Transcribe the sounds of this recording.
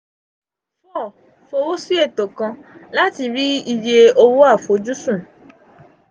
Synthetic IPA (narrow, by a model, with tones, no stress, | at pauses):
fɔ˦˨ | fo˧wo˦si˦e˦˨to˨kã˧la˦ti˧ɾi˦i˧je˧o˧wo˦a˦˨fo˨˦d͡ʒu˦sũ˦˨